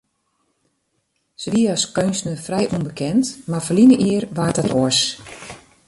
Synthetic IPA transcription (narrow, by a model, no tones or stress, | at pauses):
səʋiəɔskønsnəfrɛjʔunbəkʰɛntmafəlinəʔiərʋaːtatʰoəs